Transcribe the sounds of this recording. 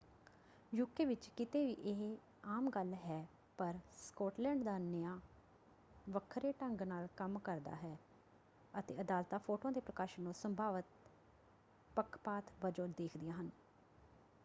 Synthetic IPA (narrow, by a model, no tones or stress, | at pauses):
jʊkːeːʋɪt͡ʃkɪt̪eːʋiːʔɪɦ | aːmɡəlɦɛː | pəɾskɔːʈlɛ̃ːɳɖd̪aːnəjaː | ʋəkʰːɾeːʈəŋɡnaːlkəmkəɾd̪a̰ːɦɛː | ət̪ḛːəd̪aːlt̪aːpʰoːʈoãːd̪eːpɾəkaːʃənːõːsəmbʱaːʋət̪̚ | pəkʰːpaːt̪ʰʋəd͡ʒoːɾd̪eːkʰd̪ɪjaːɦən